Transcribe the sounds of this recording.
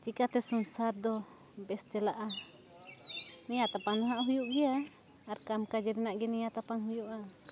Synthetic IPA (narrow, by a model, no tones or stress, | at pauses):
t͡ʃikat̪ɛsunsaɾd̪ɔ | bɛst̪ɛlaʔa | nɛjat̪apaŋdɔɦaʔɦujuʔɡɛaː | ɾkamkad͡ʒɛɾɛnaʔɡɛnɛjat̪apaŋhujuʔa